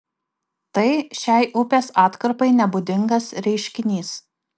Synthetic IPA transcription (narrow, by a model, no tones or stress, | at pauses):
t̪ɐɪʃʲɛˑɪʔʊpʲeːsɑːt̪kɐɾpɐɪnʲɛbʊd̪ʲɪŋɡɐsɾʲɛɪʃʲkʲɪnʲiːs